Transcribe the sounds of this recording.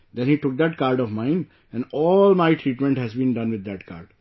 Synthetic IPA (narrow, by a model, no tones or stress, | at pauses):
d̪ɛ̃nhiːʈʊk̚d̪æʈkaːɾɖɔʋmãɪ̃n | ɛ̃nɖɔːlmaɪʈʰɾiːʈmɛ̃ɳʈhɛzbĩːnɖʌ̃nʋɪd̪ːæʈka̰ːɾɖ